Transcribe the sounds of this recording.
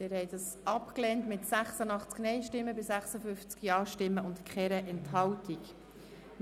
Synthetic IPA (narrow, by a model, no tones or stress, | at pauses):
d̪̥ɪɾhɛɪdɑsʔɑpklɛntmɪtsæχsənɑχt͡sknɛɪʃtɪmːəbɪsæχsəfʏnft͡skjɑːʃtɪmːəʊntkχɛɾəʔɛnthɑwtik